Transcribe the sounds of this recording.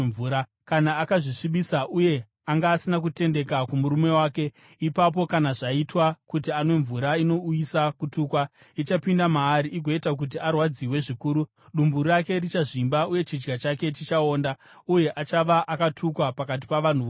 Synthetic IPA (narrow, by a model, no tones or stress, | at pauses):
vuːɾa | kanaːkaʐiʂiɓisaʔuje̞ | aŋɡaːsinakute̞nde̞kakumuɾume̞waːke̞ | ipap̬o̞kanaʐaitwakutiane̞ɱvuɾaino̞ujisakutuːkwa | it͡ʃapindamaːɾiʔiɡʱo̞etak̬ut̬iarwad͡ziwe̞ʐikuːɾu | ɗumbuake̞rit͡ʃaʐimbauje̞t͡ʃid͡ʒɡat͡ʃake̞t͡ʃit͡ʃao̞ːnda | uje̞ʔat͡ʃaʋaʔakatʰukwapakat̬i̥paʋan̤uʋ